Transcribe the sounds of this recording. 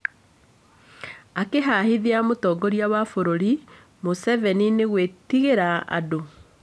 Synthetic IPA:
akeɦahiðeamotɔːɡɔɾiawafoɾoɾi | mosɛvɛnineɣwetiɣeɾaa̰do

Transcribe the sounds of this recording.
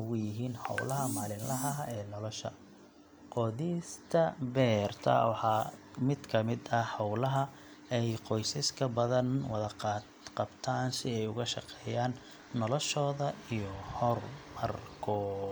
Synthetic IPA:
ɣʊjɪɦiːnhɑ̰wlɐɦɐmaːlɪnlɐɦɐɛːnɔlɔʃɐ̰ | qɔðist̪ʰɐbɛːrt̪ʰɐ̰wɑħɑːmɪd̪kʰɐmɪd̪ɐhɑwlɐɦɐ | ɛjqɔjsɐskʰɐbɐðɐnwɑðɐqɑ | qɑbt̪ʰaːnsɪɛjʊɣɐʃɑqɛːjaːnː | ɔlɔʃɔːðɐijɔhɔrmɐrkʰɔː

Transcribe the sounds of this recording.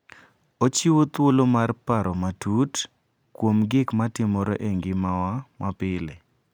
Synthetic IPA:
ot͡ʃiwot̪wolomarpaɾɔmatut | kwomɡɪkmatɪmɔɾo̰ʔeŋɡɪmawamapɪlḛ

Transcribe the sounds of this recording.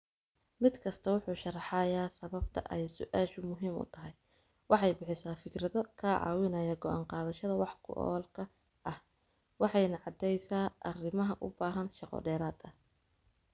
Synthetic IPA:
mɪd̪kʰɐst̪ʰɐwʊħuːʃɐrɑħɑjaːsɐβɐb̚t̪ʰɐ̰ʔɛjsʊʔaːʃʊmʊɦiːmʊ̰t̪ʰɐɦɛj | wɑħɑjbɪħɪsaːfɪkʰɾɐðɔkʰɐʕɑ̰ːwɪnɐjaɡɔʔa̰ːɴqɑːðɐʃɐðɐwɑħkʰʊ̰ʔɔ̰ːlkʰɐ | ʔɐh | wɑħɑjnɐʕɑd̪ɛjsaːʔɐrɪmɐɦɐʔʊ̰baːɦɐnʃɑqɔ̰ɖɛːɾaːd̪ɐ

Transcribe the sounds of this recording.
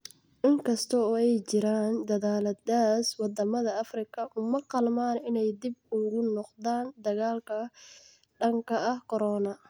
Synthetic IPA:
ʔɪŋkʰɐst̪ʰɔɔːɛjt͡ʃɪɾaːnd̪ɐðaːlɐd̪aːswɑd̪ɐmɐðɐɐfrɪkʰɐʔʊmɐqɑlmaːnɪnɛjd̪ibʊɣʊnɔqd̪aːnd̪ɐɣaːlkʰɐ | ɖɐŋkʰɐɐhkʰɔɾɔːnɐ

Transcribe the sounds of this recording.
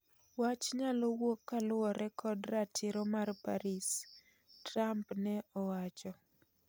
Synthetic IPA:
wat͡ʃɲalɔwokːalʊwɔɾɛkʰɔdratʰɪɾɔmarpa̰ɾis | tɾampnɛɔwat͡ʃɔ

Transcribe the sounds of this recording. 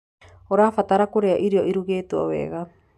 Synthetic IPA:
oɾaːfataɾakoɾeaʔiɾioʔiɾuɡeːtuo̰βḛːɣa

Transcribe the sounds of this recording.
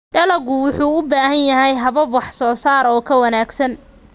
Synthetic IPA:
ɖɐlɐɣʊwʊħuːʊbaːhɐnjɐɦɛjɦɐβɐbwɑħsɔːsaːɾɔːkʰɐwɐnaːɡsɐn

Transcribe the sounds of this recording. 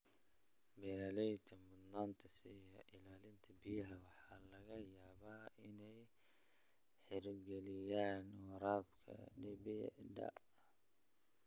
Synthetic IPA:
bɛɾaːlɛjt̪ʰɐmʊd̪naːnt̪ʰɐsijɐʔɪlaːlɪnt̪ʰɐbɪjɐɦɐwɑħɑːlɐɣɐjaːβaːɪnɛj | ħɪɾɡɛlɪjaːnwɐɾaːbkʰɐ̰ɖɛbɪ̰dɐ̰

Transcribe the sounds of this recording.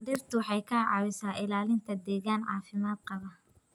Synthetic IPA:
d̪iːrt̪ʰʊwħɑjkʰɐʕɑ̰wɪsaːʔɪlaːlɪnt̪ʰɐd̪ɛːɣaːnʕɑ̰ːfɪmaːd̪̚qɑβɐ

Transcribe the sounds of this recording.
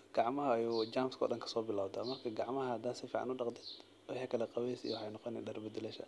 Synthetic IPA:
ɡ̥ɑʕmɐɦɐːjud͡ʒaːmskʰɔ̰ːɗɐŋkʰɐ̥sɔːbɪlawd̪amɐrkʰɐɡɑʕmɐhɐhɐd̪aːnsɪfiːʕɑ̰nʊɗɑqd̪ɛd̪ | wɑħikʰɐlɛqɑwɛjsḭwʊħɑjnɔqɔnɛ̰ɗɐrbɪd̪ɪlɛʃɐ̰

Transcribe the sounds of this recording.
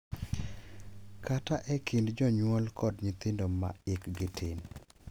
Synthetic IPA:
kʰataʔɛkʰindd͡ʒɔɲwɔlkʰɔdɲit̪ɪndoma̰ɪkɡɪtʰɪn

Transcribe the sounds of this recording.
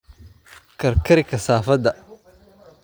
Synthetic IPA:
kʰɐɾkʰɐɾɪkʰɐsaːfɐd̪ɐ

